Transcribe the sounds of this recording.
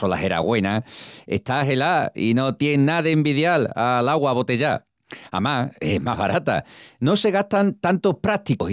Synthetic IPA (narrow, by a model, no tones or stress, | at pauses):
o̞la̰ɦe̞ɾa̰ɣwe̞nae̞̰ht̪aɦe̞laḭno̞t̪jeŋnaðembiðjala̰laɣwaβ̞o̞t̪e̞ʝa | a̰mae̞̰ɦmaɦβa̰ɾat̪a̰no̞se̞ɣ̞aht̪ant̪ant̪o̞hpɾat̪iko